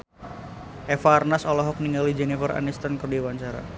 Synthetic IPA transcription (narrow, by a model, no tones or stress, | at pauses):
ʔɛfaːrnasɔlɔɦɔk̚niŋɡalid͡ʒɛnifəra̰nɛst̪ankərdiwaɲt͡ʃaɾa̰